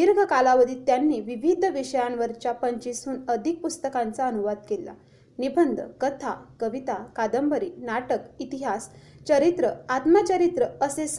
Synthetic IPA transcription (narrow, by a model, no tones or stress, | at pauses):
iɾɡʱəkalaʋəd̪iːt̪janːiːʋiʋʱid̪ʱʋiɕəjãnʋəɾt͡ɕjapəɲt͡ɕisuːnəd̪ʱik̚pust̪əkãnt͡saənuʋad̪̚kela̰ | nibʱənd̪ʱkət̪ʰakəʋit̪akad̪əmbəɾinaʈəkit̪iɦast͡ɕəɾit̪ɾəat̪mat͡ɕəɾit̪ɾəəses